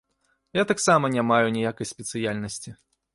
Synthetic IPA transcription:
jat̪aksamɐnʲamajunʲijakɐjsʲpʲɛt̪sɨjalʲnɐsʲt͡sʲi

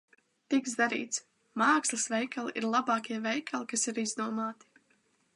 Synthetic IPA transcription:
t̪ikzd̪aɾḭːt̪s | maːkslˠɨsvɛjkalˠiʔiɾlˠabɑːkʲiɛvɛjkʰalˠikasiɾizd̪uɔmaːt̪i̥

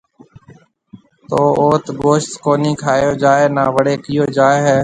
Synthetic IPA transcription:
t̪oːoːt̪ɡoːʃt̪koːniːkʰaːjoːd͡ʒaːeːnaːʋəɽeːkɪjoːd͡ʒaːeːɦeː

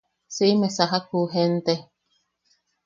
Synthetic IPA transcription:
siimesaɦak̚uɦent̪e

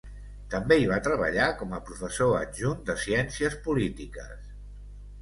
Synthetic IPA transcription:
t̪əmbeiβ̞at̪ɾəβ̞ə̰ʎakɔməpɾufəsoənʒund̪əsiɛnsiəspulit̪ikə̰s

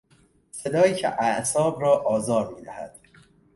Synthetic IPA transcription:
se̞d̪ɒːjiːcʰḛʔæʔsɒːbɾɒːʔɒːzɒːɾmiːd̪æhæ̰d̪̥

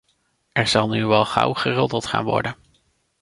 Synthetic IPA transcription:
ʔɛɹz̥ɑlˠnyʋɛlˠχʌ̰wχərɔdəlˠtχa̰ːnʋɔ̰ɹdən

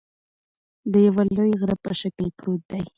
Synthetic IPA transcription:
d̪əjawalojɣɾapəʃaklpɾot̪̚d̪aj

